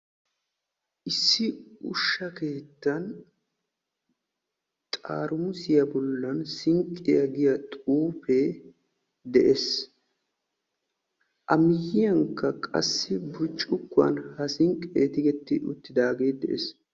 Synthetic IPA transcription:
ʔɪsːɪʊʃːɐke̞ːt̪ːɐn | t̪ʼa̰ːɾʊmʊsɪjɐbɔlːɐnsɪŋkʼːɪjɐɡɪjɐt̪ʼuːpeː | d̪ɛʔes | ʔɐmɪjːɪjɐŋkːɐkʼɐ̰sːɪbʊt͡ʃʼːʊkːʊɐ̰nhɐsɪŋkʼːḛːt̪ɪɡɛt̪ːɪʔʊ̰t̪ːɪd̪aːɡe̞ːd̪ɛʔes

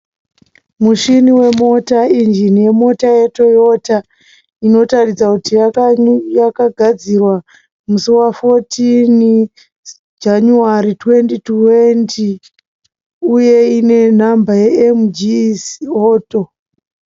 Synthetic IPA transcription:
muʃiniwe̞mo̞taind͡ʒinije̞mo̞taje̞to̞jo̞ta | ino̞tarid͡zakuti | jakaɡʱad͡zirwa | musuwafotʰin | d͡ʒanuaritwe̞ntitwenti | uje̞ine̞nambajeemd͡ʒisoːto̞

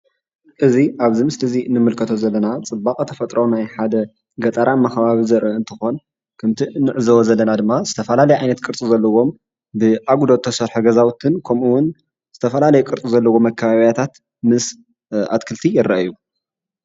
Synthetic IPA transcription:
ʔɨziʔaβzimɨsɨt̪ʰɐzinɨmɨlkʰɐt̪ʰozɐlːɐnat͡sʼɨbːakʼɐt̪ʰɐfɐt̪ʼɾownajħad̪ɐ | ɡɐt̪ʼɐɾamɐxɐβaβizɐɾʔɐɨnt̪ʰɨxo̞n | kʰɨmt̪ʰinːɨʕɨzɐwozɐlːɐnad̪ɨmːaz̥ɨt̪ʰɐfɐlalɐjʕajnɐt̪kʼɨɾt͡sʼuzɐlːɐwo̞m | bɨʔaɡud̪ot̪ʰːɐsɐɾħoɡɐzawt̪ʰɨnkʰɐmuwʊn | z̥ɨt̪ʰɐfɐlalɐjukʼɨɾt͡sʼuzɐlːɐwo̞mɐkʰːɐβaβijat̪ʰat̪ | mɨs | ʔa̰t̪kʰɨlt̪ʰijɪɾɐʔju

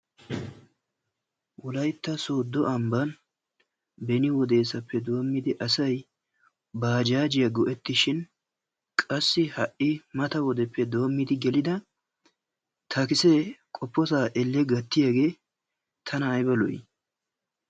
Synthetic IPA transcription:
wɔlɐjt̪ːɐso̞ːd̪ːɔʔɐmbɐn | bɛnɪwɔd̪e̞ːsɐpːɛd̪o̞ːmːɪd̪ɪʔɐsɐj | baːd͡ʒaːd͡ʒɪjɐɡɔʔɛt̪ːɪʃɪn | kʼɐsːɪhɐʔɪmɐt̪ɐwɔd̪ɛpːɛd̪o̞ːmːɪd̪ɪɡɛlɪd̪ɐ | t̪ʰɐkɪsekʼɔpːɔsaːʔɛlːɛɡɐt̪ːɪjaɡe̞ː | t̪ʰɐnɐːjbɐlɔ̰j

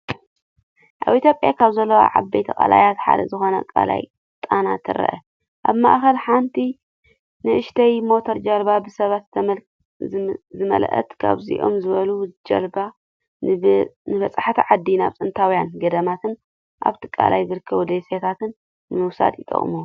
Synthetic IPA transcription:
ʔaβit̪ʰʲjopʼːjakʰaβzɐlːɐwa̰ʕabejt̪ʰɐkʼa̰la̰jat̪ħa̰d̪ɐ̰zɨxo̞nɐ̰kʼa̰la̰j | t̪ʼana̰t̪ʰɨɾɐ̰ʔɐ̰ | ʔaβma̰ʔxɐlħant̪ʰi | nɨʔɨʃt̪ʰɐjmo̞t̪ʰoɾd͡ʒɐlbabɨsɐβat̪ʰ | zɨmɐ̰lʔɐ̰t̪kʰa̰βzḭʔo̞̰mzɨβɐlud͡ʒɐ̰lba | nɨbɐt͡sʼaħat̪ʰiʕad̪ːinaβt͡s̪ʼɨnt̪ʰawjanɡɐd̪ɐmat̪ʰɨn | ʔa̰βt̪ʰikʼa̰lajzɨɾɨkʰːɐβud̪eset̪ʰat̪ɨn | mɨwsa̰d̪it̪ʼɐ̰χʼmu

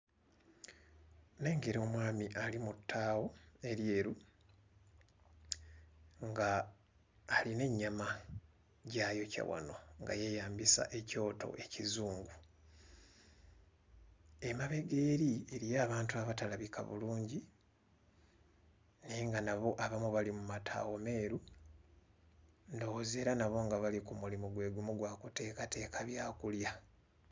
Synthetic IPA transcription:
ne̞ːŋɡe̞ɾo̞ːmwaːmiʔalimutʰːaːwo̞e̞ɾje̞ːɾu | ŋɡaː | line̞ɲːama | ɟajo̞ca̰wa̰no̞ŋɡa̰je̞jaːmbisa̰ʔe̞co̞ːto̰ʔe̞cizuːŋɡu | e̞maβe̞ɡe̞ːɾieɾijaːβaːntuaβatalaβikʰa̰βṵluːɲɟi | niŋɡanaβo̞ʔaβamuβalimumatʰa̰ːwo̞me̞ːɾu | ndo̞woze̞ːɾanaβo̞ːŋɡaβalikumulimuɡwe̞ːɡumuɡwaːkute̞ːkate̞ːkaβjaːkulja

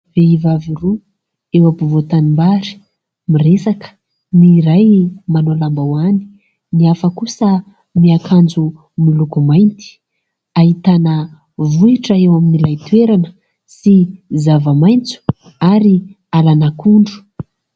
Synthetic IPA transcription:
veivaviru | ewapuvot̪animbaɾi̥ | miresakə̥ | niɾajmanolambawani̥ | niafəkusə | miakʰand͡zu | milukumajnt̪i̥ | aɦit̪anə | vuiʈ͡ʂəewaminilajt̪weɾanə | sizavamajnt͡su̥ | aɾi | alanakuɳɖ͡ʐu̥

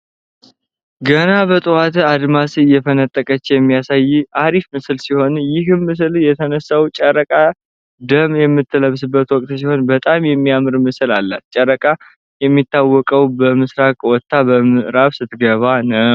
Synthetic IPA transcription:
ɡənabət̪ʼɨwat̪ad̪masɨɨjɛfʰənət̪ʼːəkʼət͡ʃːjɛmːijasajːiaɾifmɨsɨlsiho̞njɪɦɨnmɨs̬ɨljɛt̪ʰənəsːawt͡ʃʼəɾəkʼa | d̪əmjɛmːɨt̪ːələβsɨbːət̪wɔkʼt̪siho̞nbət̪ʼamjɛmːiamɨɾmɨsɨlalːa̰t̪̚t͡ʃʼəɾəkʼa | jɛmːit̪ːawːɔkʼəwbəmɨsɾakʼwɔt̪ʰːabəmɨʔɾaβsɨt̪ɡəβanə

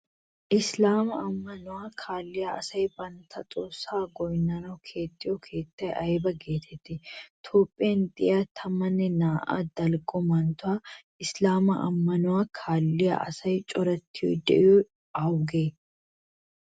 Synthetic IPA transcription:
ʔɪslaːmɐɐmːɐnʊwaːkʰaːlːɪjaɐsɐjbɐnt̪ʰːɐt̪ʼoːsːaːɡɔjnːɐnɐwkʰe̞ːt̪ʼːɪjɔkʰe̞ːt̪ːɐjɐjbɐɡe̞ːt̪ʰɛt̪ːɪt̪ʰo̞ːpʼːɪjɐnd̪ɪaːt̪ʰɐmːɐnːɛnaːʔa̰ːd̪ɐlɡʼɔmɐnt̪ʊwaː | ɪslaːmɐʔɐ̰mːɐnʊwaːkʰaːlːɪja̰ʔɐsɐjt͡ʃʼɔɾɐt̪ʰːɪjɔ̰d̪ɛ̰ʔɪjɔ | ɐwɡeː

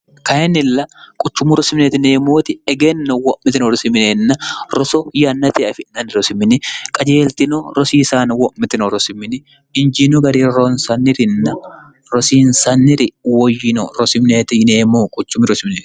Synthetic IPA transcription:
kɐjɛnːɪlːɐkʼʊt͡ʃːʊmʊɾɔsɪmnet̪ɪneːmoːt̪ɪɛɡɛnːɔwɔʔmːɪt̪ɪnɔɾɔsɪmɪnenːɐɾɔsɔjɐnːɐt̪eɐfɪnɐnɪɾɔsɪmːɪnɪkʼɐd͡ʒeːlt̪ɪnɔɾɔsiːsaːnwɔʔmɪt̪ɪnɔɾɔsɪmːɪnɪ | ɪnd͡ʒɪnɔɡɐɾiːɾɔnsɐnːɪɾɪnːɐ | ɾɔsiːnsɐnːɪɾɪwɔjːɪnɔɾɔsɪmneːt̪ɪneːmoːkʼʊt͡ʃːʊmɪɾɔsɪmneːt̪

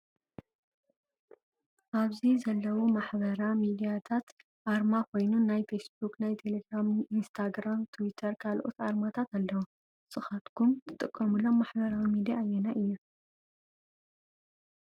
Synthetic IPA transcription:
ʔaβzizɐlːɐwumaħbɐɾamid̪ijat̪ʰat̪ | ʔaɾmakʰo̞jnunajfesbuknajt̪ʰe̞le̞ɡɾamʔinst̪ʰaɡɾamt̪ʰwit̪ʰɐɾkʰalʔot̪aɾmat̪ʰat̪alːɐwu | sʼɨxat̪kʰumt̪ʰɨt̪ʼɨkʼːɐmulːomːaħbɐɾawimid̪ijajːɛnaʔɨjːu

